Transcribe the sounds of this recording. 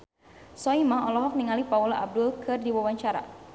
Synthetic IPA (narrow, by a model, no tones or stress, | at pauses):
sɔimaɔlɔɦɔk̚niŋalipaulaʔab̚dʊlkʰɨrdiwawaɲt͡ʃaɾa̰